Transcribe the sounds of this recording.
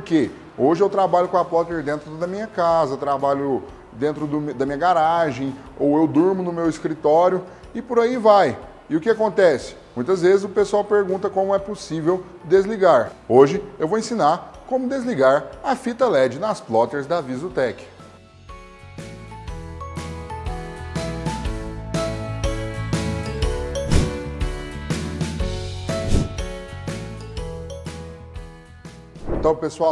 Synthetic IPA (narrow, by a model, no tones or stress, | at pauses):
poɾke | oʒɪewt̪ɾabaʎʊkõɐplɔt̪eɾd̪ẽnt̪ɾʊdʊd̪ɐmĩɲɐkazɐt̪ɾabaʎʊ | d̪ẽnt̪ɾʊd̪ʊmd̪ɐmĩɲɐɡaɾaʒẽj̃ | owewd̪uɾmʊnʊmewɪskɾit̪ɔɾjʊ | ɪpoɾaivaj | ɪʊkɪakõnt̪ɛsɪ̥mũj̃t̪ɐzvezɪzʊpesuawpeɾɡũnt̪ɐkõmʊɛposivew | d̪ezliɡaɾoʒɪewvowẽsĩnaɾkõmʊd̪ezliɡaɾɐfit̪ɐlɛd͡ʒɪnɐsflɔt̪eɾzd̪ɐavizʊt̪ɛkɪ̥ | ẽt̪ɐ̃w̃pesua